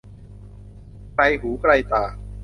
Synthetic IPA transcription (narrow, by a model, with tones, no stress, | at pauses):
kɾa˧jɦuː˩˦kɾa˧jt̪aː˨˩